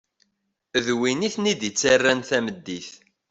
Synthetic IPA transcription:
əðwiniθnid̪jət͡sːarːænθæməd̪ːiθ

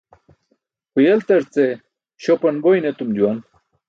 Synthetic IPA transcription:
pujɐlt̪ɐɾt͡se | ɕopɐnbojnet̪umd͡ʑuwan

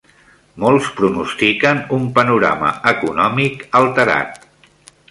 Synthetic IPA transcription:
molˠspɾunust̪ikənumpənuɾa̰mə̰əkunɔmikəlˠt̪əɾa̰t̪̚

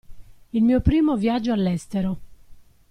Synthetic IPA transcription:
ilmiːopɾiːmovjad͡ʒːoalːɛst̪eɾo

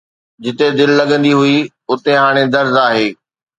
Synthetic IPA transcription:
d͡ʑɪt̪ed̪ɪllɐɠə̃nd̪iɦʊi | ʊt̪eɦaːɽ̃ed̪ɐɾzaːɦeː

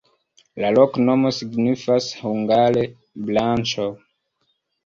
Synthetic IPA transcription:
laloknomosiɡnifashuŋɡale | blant͡ʃo

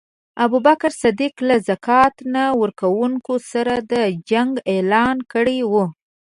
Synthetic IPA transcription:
abubakɾsad̪iklazakɑt̪nawəɾkawuŋkosaɾad̪əd͡ʒaŋɡelɑnkəɽewu

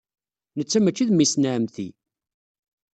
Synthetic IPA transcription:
nət͡sːæmækːiðmːisnaʕəmθḭ

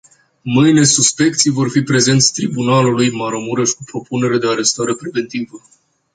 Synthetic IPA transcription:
mɨjne̞suspe̞k̚t̪sijvo̞rfipɾe̞ze̞nt̪sʲt̪ɾibunalulujmaɾo̞muɾeʃkupɾo̞pune̞ɾe̞d̪e̞aɾe̞st̪aɾe̞pɾive̞nt̪ivə

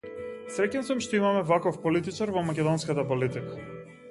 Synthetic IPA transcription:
sɾɛcɛnsamʃt̪ɔimamɛvakɔfpɔlit̪it͡ʃaɾvɔmakʲɛd̪ɔnskat̪apɔlit̪ikḁ

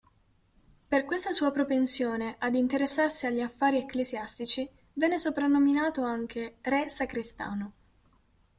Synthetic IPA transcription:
perkwest̪asuːapɾopensjoːneʔad̪int̪eɾesːarsiaʎːiafːaːɾiɛkːleziast̪it͡ʃi | vɛnːesopɾanːominaːt̪oaŋk̟ʰerɛsakɾist̪a̰ːno

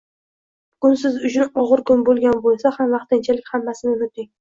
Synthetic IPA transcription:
kʊnsɪzʊt͡ʃʰʊnɒʁɨɾkʰʊnbolˠɡʲanbolˠsahamvaχt̪ɪnt͡ʃʰalɪkʲhamːasɪnɪmʊt̪ɪŋ

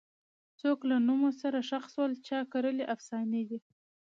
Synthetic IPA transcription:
t͡soklanumosaɾaʃaxswəlt͡ʃɑkaɾəleʔafsɑned̪i

